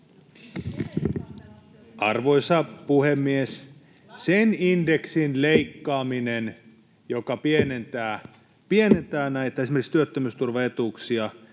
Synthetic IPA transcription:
ʔɑ̰rʋo̞isɑpuhemːies | seninde̞ksinleikːɑːminen | jokɑpienent̪æː | pienent̪æːnæit̪ːæesimerkikst̪yøt̪ːømyst̪urʋɑet̪uksiɑ

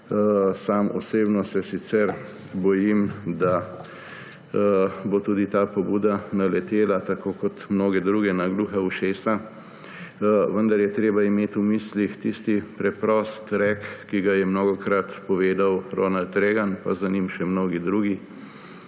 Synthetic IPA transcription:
saːmɔ̰seːbnɔsɛsit̪sɛɾ | bɔjimd̪a | bot̪uːd̪it̪aːpɔbuːd̪analɛt̪eːlat̪akoːkɔt̪mnoːɡɛd̪ɾuːɡɛnaɡluːxauʃeːsa | ʋənd̪aɾjɛt̪ɾeːbaimeːt̪umiːslixt̪ist̪ipɾɛpɾɔːst̪ɾɛkkːiɡajɛmnoɡɔkɾat̪pɔʋeːd̪awɾoːnalt̪ɾeːɡanpazanimʃɛmnoːɡid̪ɾuːɡi

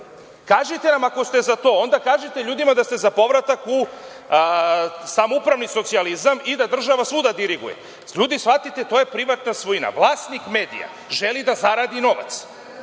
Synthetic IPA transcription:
kaːʒit̪e̞namako̞st̪e̞zat̪o̞ːo̞nd̪akaːʒet̪eʎuːd̪imad̪ast̪e̞zapo̞ʋɾat̪aku | samoupɾaʋniso̞t̪sializamid̪ad̪r̩ʒaʋasud̪ad̪iɾiɡṵjḛ | ʎuːd̪isfat̪it̪et̪oje̞pɾiʋat̪nasʋoina̰ʋlˠaːst̪nikme̞ːd̪ḭja̰ | ʒe̞lid̪azaɾaːd̪ino̞ʋa̰t̪s

